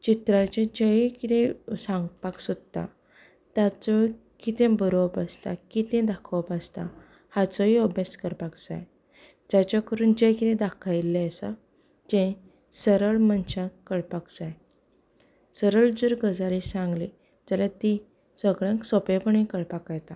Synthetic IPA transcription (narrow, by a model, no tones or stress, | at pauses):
t͡ɕit̪ɾat͡ɕẽd͡ʑəjkit̪ẽsãŋɡpaksɔd̪̚t̪a̰ | t̪at͡sɔ | kit̪ẽbəɾʋpast̪a̰kit̪ẽd̪akʰʋəpast̪a̰ | hat͡sɔɦiəbaskəɾpakd͡za̰j | d͡ʑat͡ɕakəɾuːnd͡ʑẽjkit̪ẽd̪akʰajlːasa̰ | d͡ʑẽ | səɾəɭmənt͡ɕãkəɭpakd͡zaj | səɾəɭd͡zəɾɡəd͡zaɾisãŋɡli | d͡zəɾat̪i | səɡɭãŋksɔpepəɳĩkəɭpakajt̪a